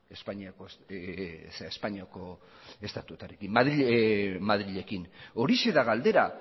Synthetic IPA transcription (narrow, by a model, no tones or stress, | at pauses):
espaɲiako | seespaɲiako̞ | e̞st̪at̪uet̪aɾekimaðimað̞ɾiʎe̞kino̞ɾise̞ðaɣald̪e̞ɾa